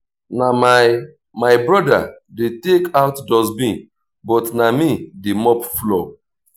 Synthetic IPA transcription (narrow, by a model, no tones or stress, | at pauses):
nama | maɪbɹɔda̰ | detekʰaʊtdɔzbĩ | bɔtnamidemɔpflo